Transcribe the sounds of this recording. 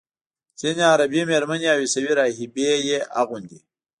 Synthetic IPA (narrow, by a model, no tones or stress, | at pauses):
t͡senaːɾɐbimeɾmɐniaːwisɐwiɾaːɦibejea̰ɣund̪i